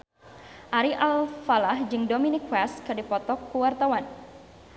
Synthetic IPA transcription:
ʔaɾiʔalfalahd͡ʒɨŋdominikwɛskɨdipɔt̪ɔkːuwart̪awan

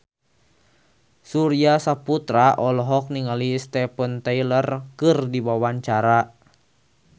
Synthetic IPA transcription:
suɾiasaput̪ɾaʔɔlɔɦɔk̚niŋalist̪ɛpənt̪ɛilərkɨrdibawaɲt͡ʃaɾa

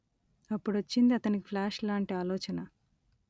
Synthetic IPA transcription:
ɐpːuɽɐt͡ʃːind̪iɐt̪ɐnikipʰlaːʂlaːɳʈiaːlɔːt͡ʃɐnɐ

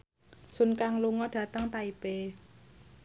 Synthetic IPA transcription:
sʊnkaŋluŋɔɖ̥ä̤t̪əŋt̪aib̥e

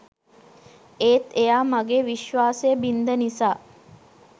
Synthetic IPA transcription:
eːt̪ejaːmaɡeːʋiʃʋaːsejəbind̪ənisaː

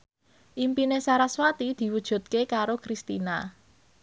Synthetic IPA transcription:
ʔimpinesaɾaswat̪id̪̥i̤wud̥ʒ̥ṳt̪̚kekaɾokɾist̪ina

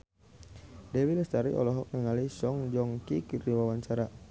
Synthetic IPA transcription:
dewilɛst̪aɾḭʔɔ̰lɔɦɔk̚nəŋalisɔŋd͡ʒɔŋkikiriwawaɲt͡ʃaɾa

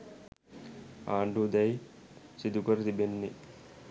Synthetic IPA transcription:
aːɳɖud̪ɐjsid̪ukɐɾd̪ibenːi

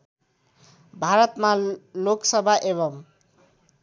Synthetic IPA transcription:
bʱaɾʌt̪maloksʌbʱaʔeβʌm

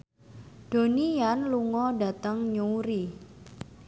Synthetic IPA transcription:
d̥o̤nijanluŋɔɖa̤t̪əŋɲuuɾi

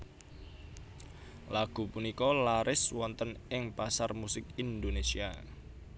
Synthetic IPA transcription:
laɡ̥ṳpunikɔlaɾʔɪswɔnt̪ənɪŋpasarmusɪkind̪onesia̰

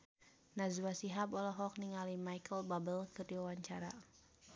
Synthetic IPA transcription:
nazwasiɦabɔlɔɦɔk̚niŋalimajkəlbabəlkɨrdiwawaɲt͡ʃaɾa

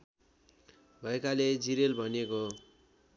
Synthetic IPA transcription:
bʱʌekaled͡ziɾelbʱʌneko

